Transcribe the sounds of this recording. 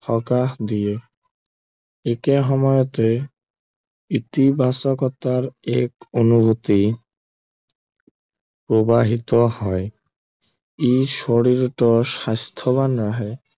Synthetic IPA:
hɔkaɦd̪ije | ekeɦɔmɔjot̪e | it̪ibʱasokɔt̪ːaɾekonubut̪i | pɾobaɦit̪ohɔe | iʃoɽiɾʈɔʃast̪ʰoβanɾaɦe

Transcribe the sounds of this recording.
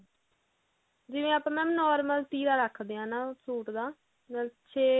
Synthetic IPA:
d͡ʒɪʋẽːapãːmɛ̃ːnɔːɾməlʈiːɾaːɾəkʰːd̪eːãːnaːsuːʈd̪aː | məʃʰeː

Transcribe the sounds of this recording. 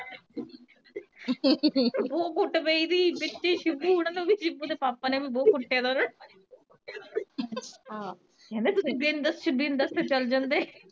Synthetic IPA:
boːkʊʈbeiːd̪iːbɪtːt͡ʃeːʃɪbuːɦoɽ̃ənoːbid͡ʒɪbuːd̪eːpaːpaːneːbiːboːkʊʈʰeːd̪anə | ɦãː | kɛ̃ːnd̪eːt̪ʊsĩːbiːnd̪əst͡ʃəbiːnd̪əst̪et͡ʃəld͡ʒãːnd̪eː

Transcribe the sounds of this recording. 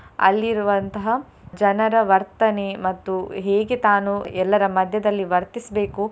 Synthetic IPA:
ɐ̰lːiɾuʋɐnt̪ɐɦɐ | d͡ʒɐnɐɾɐʋɐɾt̪ɐne̞mɐt̪ːuɦe̞ːɡet̪aːnuɛlːɐɾɐmɐd̪ʱjɐd̪ɐlːiʋɐɾt̪isbe̞ːku

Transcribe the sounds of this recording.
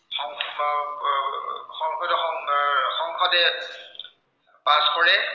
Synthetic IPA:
xɔŋ | xɔŋkʰɔdɔxɔŋxɔŋkʰɔtɛ | paskɔɹɛ

